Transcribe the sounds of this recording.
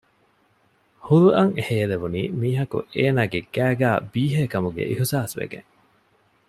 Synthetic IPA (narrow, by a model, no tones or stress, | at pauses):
huɾuʔɐŋehejeleʋuniːmiːɦɐkṵeːnaːɡeɡæːɡæːbiːɦeːkɐmuɡḛʔihusaːsʋḛɡḛŋ